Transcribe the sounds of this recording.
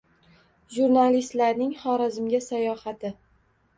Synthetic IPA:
ʒuɾnalist̪laɾnɪŋχɒɾazɪmɡʲasajɒhat̪ʰɪ

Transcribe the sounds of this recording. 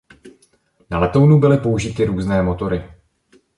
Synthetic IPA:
nalɛt̪ownubɪlɪpo̞uʒɪt̪ɪɾuːznɛːmo̞t̪o̞ɾɪ

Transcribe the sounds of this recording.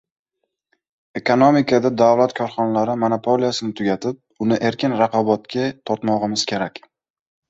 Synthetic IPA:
e̞konomikʰad̪ad̪awlat̪kʰɒɾχɒnalaɾɪmonapʰolijasɪnɪt̪ʰʊɡʲat̪ʰɪp̚ʊnɪʔe̞ɾkʲʰɪnɾaqʰɒbɒt̪kʲʰat̪ʰɒɾt̪mɒʁɨmɪz̥kʲʰe̞ɾakʲ

